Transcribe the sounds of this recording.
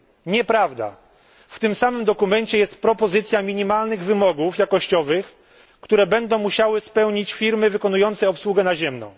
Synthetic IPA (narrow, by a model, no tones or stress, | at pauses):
ɲɛpɾavd̪a̰ | ft̪ɘmsamɘmd̪ɔkumɛɲt͡ɕɛjɛst̪pɾɔpɔzɘt̪sʲjamʲiɲimalnɘɣvɘmɔɡufjakɔɕt͡ɕɔvɘx | kt̪uɾɛbɛnd̪ɔ̃w̃muɕawɘspɛwɲit͡ɕfʲiɾmɘvɘkɔnujɔnt̪sɛɔpswuɡɛnaʑɛmnɔ̰